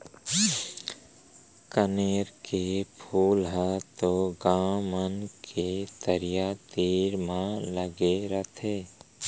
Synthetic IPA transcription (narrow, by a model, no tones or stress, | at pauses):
kəneːɾkepʰuːlɦɛt̪oɡãːmənkʰet̪əɾijat̪iːɾmãləɡeɾət̪ʰeː